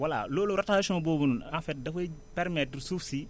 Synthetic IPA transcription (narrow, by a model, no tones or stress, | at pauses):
wala̰loːloɾataːsɔ̃bobunuafɛt̚dɐfopɛɾmɛtɾsufsi